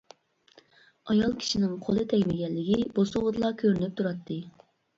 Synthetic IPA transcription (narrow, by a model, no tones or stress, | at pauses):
ɑjɑlˠkʲʰi̥ʃinɪŋqʰolˠɨt̪ʰɛɡʲmɪɡʲɛlːɪɡʲibosuʁəd̪ɨlˠɑkʲʰøɾnɪp̚t̪ʰuɾɑt̪ʰːɨ